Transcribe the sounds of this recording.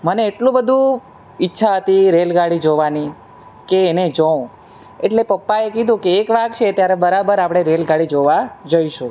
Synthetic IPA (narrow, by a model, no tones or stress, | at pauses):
məneːʈlũbəd̪ʱũ | ɪtːʃʰaɦət̪iɾelɡaɽid͡ʒoʋani | keːned͡ʒə̃ | eʈlepəpːaekid̪ʱũkeːkʋaɡt͡ʃʰet̪jaɾebəɾabəɾapɽ̃eɾelɡaɽid͡ʒoʋad͡ʒəiʃũ